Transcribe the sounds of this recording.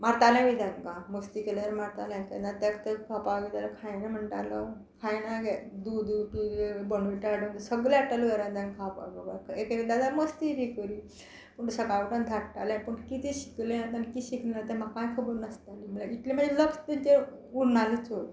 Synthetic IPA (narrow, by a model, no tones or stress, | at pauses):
maɾt̪aljãʋid̪ʱaŋkãməst̪ikeləəɾmaɾt̪aljãkanat̪əkt̪əkʰapaɡet̪alakʰajnam̤əɳʈaɾlə | kʰajnaɡɛd̪ud̪uʈibəɳʋiʈaɽont̪səɡljaʈaluɡəɾad̪ankʰapa̰ɡəɡakʰekid̪ad̪aməst̪iɾikəɾi | pəɳusəkaʋəʈand̪ʱaʈaljãpəɳkit̪iɕikleat̪ankiɕiknenat̪amakːajkʰəbəɾnəst̪alim̤əlait̪lem̤ad͡ʑʱeləkst̪et͡ɕe | uɾnalet͡so